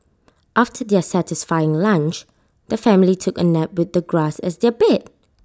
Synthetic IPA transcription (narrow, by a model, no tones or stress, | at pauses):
ʔaftʰədɛəsætɪsfaɪɪ̃ŋlãnt͡ʃ | d̪̥əfɛ̃mlitʰʊkənɛp̚wɪðəɡɹasɛ̰sdɛbɛt̚